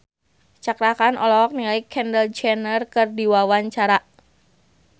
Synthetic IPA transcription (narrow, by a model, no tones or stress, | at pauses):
t͡ʃakɾakanɔlɔk̚nilaikʰhɛndəld͡ʒɛnərkɨrdiwawaɲt͡ʃaɾa